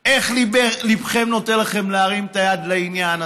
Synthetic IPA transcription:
eχlibelibχemno̞t̪enlaχemleaʁimt̪ajad̪leinjana

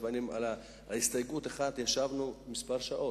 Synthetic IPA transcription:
vanima̰la | ist̪ajɡut̪aχat̪jaʃavnumispaʁʃaʔo̞

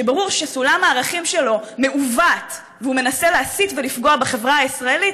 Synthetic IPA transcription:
ebaʁuʁʃesulamaːʁaχimʃe̞lo̞me̞uvat̪ | veume̞naseleasit̪ve̞lifɡo̞abeχe̞vʁaaisʁaelit̪

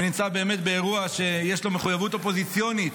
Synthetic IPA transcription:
nimt͡sabe̞ːme̞t̪be̞eʁuaʃe̞jeʃlo̞me̞χujavut̪o̞po̞zit͡sjonit̪

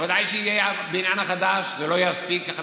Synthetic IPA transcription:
vad̪ajʃeijeabinjanaχad̪aʃzelo̞jaspikaχ

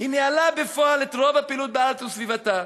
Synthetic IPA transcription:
hinealabe̞foalet̪ʁo̞vapiːlut̪̚bealt͡susvivat̪a

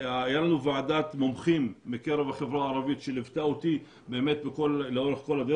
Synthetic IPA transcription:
ajalanuvaʕad̪at̪momχimːekeɾevhaχevɾaʕaɾˤɑvit̪ʃelivt̪aʔot̪i | beʔemet̪̚bekolːeoɾeχkolhad̪e

